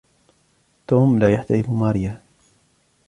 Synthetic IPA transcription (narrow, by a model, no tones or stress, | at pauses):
t̪uːmlaːjaħt̪aɪfmaːɾɪja